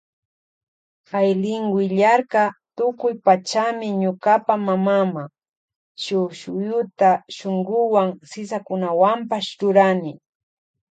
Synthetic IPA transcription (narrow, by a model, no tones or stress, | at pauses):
kajlɪŋɡɪʎaɾkat̪ʊkʊjpat͡ʃamɪɲʊkapamamama | ʃʊʃʊjʊt̪aʃoŋɡʊwaŋsɪsakʊnawampaʃɾʊɾanɪ